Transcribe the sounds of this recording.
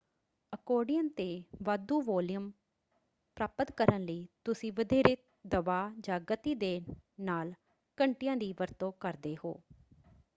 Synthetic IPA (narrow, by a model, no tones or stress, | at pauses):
əkoːɖijənt̪eːʋaːd̪uːʋɔːlɪjəm | pɾaːpət̪kəɾənləiːt̪ʊsĩːʋəd̪eːɾɪt̪ | d̪əʋaːd͡ʒãːɡət̪iːd̪eːnaːl | kəɳʈɪjãːd̪iːʋəɾt̪õːkəɾd̪eːho̰ː